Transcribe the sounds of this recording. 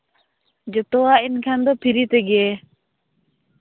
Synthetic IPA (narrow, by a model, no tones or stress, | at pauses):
d͡ʒɛt̪ɔainkʰand̪ɔpʰiɾit̪ɛɡɛ